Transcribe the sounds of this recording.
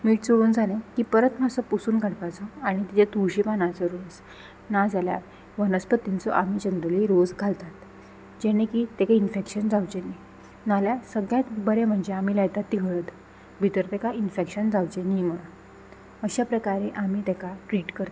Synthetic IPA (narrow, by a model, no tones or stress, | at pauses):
miːʈt͡soʋuːnd͡zalẽkiːpəɾət̪m̤asɔpusuːnkaɽpat͡sɔaɽ̃it̪it͡ɕet̪uɕipanãt͡sɔɾod͡z | nad͡zalja̰ | ʋənəspət̪int͡sɔ̰ʔamiːt͡ɕənd̪əliɾod͡zɡʱalt̪at̪ | d͡ʑeñẽkit̪ekainfekɕənd͡zawt͡ɕeni | naljasəɡjãt̪bəɾem̤əɳd͡ʑeamiːlajt̪at̪ːiɡʱəɭət̪ | bʱit̪əɾt̪ɛkainfekɕənd͡zawt͡ɕenim̤əɭ | əɕapɾəkaɾeʔamiːt̪ɛkaʈɾiːʈkəɾt̪a